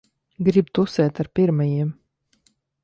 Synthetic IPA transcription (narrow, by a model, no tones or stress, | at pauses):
ɡɾib̚t̪usɛːt̪aɾpiɾmajiɛm